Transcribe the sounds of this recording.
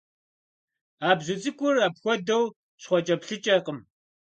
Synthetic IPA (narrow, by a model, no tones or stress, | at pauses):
aːbʑɪt͡sʼɨkʷʼʊraːpxʷɔdɐw | ɕχʷɔt͡ʃʼɐpɬɨt͡ʃʼɐqəm